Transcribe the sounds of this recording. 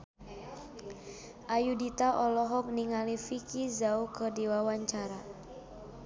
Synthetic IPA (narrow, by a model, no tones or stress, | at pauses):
ʔajudit̪aʔɔlɔɦɔk̚niŋalifikizaukədiwawaɲt͡ʃaɾa